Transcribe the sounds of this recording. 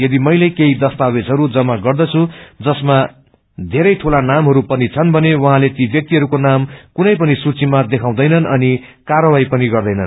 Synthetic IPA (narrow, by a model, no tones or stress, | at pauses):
jʌd̪imʌjlekeid̪ʌst̪abed͡zɦʌɾud͡zʌmaɡʌrd̪ʌt͡sʰũd͡zʌsma | d̪ʱeɾʌjt̪ʰolanamɦʌɾupʌnit͡sʰʌnbʱʌnewʌɦãlet̪ibjʌk̚t̪iɦʌɾukonamkunʌjp̬ʌnisut͡simad̪ekʰãw̃d̪ʌjnʌnʌni | karʌwajpʌniɡʌrd̪ʌjnʌn